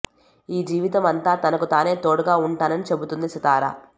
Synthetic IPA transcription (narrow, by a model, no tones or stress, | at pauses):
iːd͡ʒiːʋit̪ɐmɐnt̪aːt̪ɐnɐkut̪aːne̞ːt̪oːɽuɡaːuɳʈaːnɐnit͡ʃe̞but̪und̪isɐt̪aːɾa̰ː